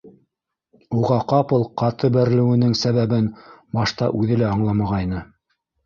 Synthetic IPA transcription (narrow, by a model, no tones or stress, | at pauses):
uʁɑqɑpɤlˠqɑt̪ʰɤbæɾlɘ̆wɘ̆nɘŋsæβæβɘnbɑʃt̪ɑ̰ʔʉðɘlæɑɴlˠɑmɑʁɑjnɤ